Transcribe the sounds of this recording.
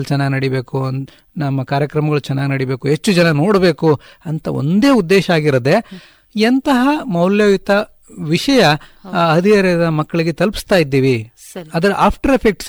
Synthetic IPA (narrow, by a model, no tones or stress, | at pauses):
t͡ʃɛnːaːɡinɐɽibe̞ːku | nɐmːɐkaːɾjɐkɾɐmɐɡɐɭut͡ʃɛnːaːɡinɐɽibe̞ːkuɦet͡ʃːud͡ʒɐnɐno̞ːɽbe̞ːku | ɐnt̪ɐo̰nd̪e̞ːud̪ːeːʃɐaːɡiɾɐd̪e̞ | ɐnt̪ɐɦɐmɐwljɐːʋit̪ɐ | ʋiʂɐjɐɐd̪ijɐɾɐɐd̪ɐmɐkːɐɭiɡe̞t̪ɐlpi̥st̪aːjid̪ːiːʋi | sɐd̪ɐɾʔaːpʰʈɐɾepʰek̚ʈs